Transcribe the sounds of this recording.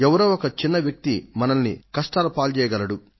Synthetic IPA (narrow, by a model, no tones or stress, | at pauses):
ɛʋɐɾoːɔkɐt͡ʃinːɐʋjɐk̚t̪imɐnɐnnḭkɐʂʈaːlɐpaːlt͡ʃɛːjɐɡɐlɐɽu